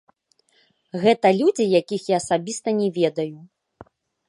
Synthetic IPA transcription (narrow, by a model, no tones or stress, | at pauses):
ɣɛt̪ɐlʲud͡zʲijakʲixjaɐsabʲist̪ɐnʲɛvʲɛd̪ɐju